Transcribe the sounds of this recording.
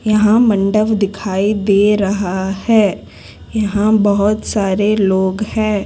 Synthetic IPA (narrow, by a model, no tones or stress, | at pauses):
jɐɦãmɐ̃ɳɖəʋd̪ɪkʰaːid̪eːɾɐɦahɛː | jɐɦãbɐɦʊt̪saːɾeloːɡhɛ̃ː